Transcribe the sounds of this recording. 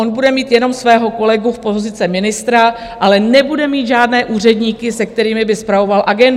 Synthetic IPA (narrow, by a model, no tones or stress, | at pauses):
onbudɛmiːt̪jɛno̞msvɛːɦo̞ko̞lɛɡufpo̞zɪt͡sɛmɪnɪst̪ɾa | ʔalɛnɛbudɛmiːt̪ʒaːdnɛːʔuːr̝ɛdɲiːkɪsɛk̚t̪ɛɾiːmɪbɪspɾavo̞valʔaɡɛnd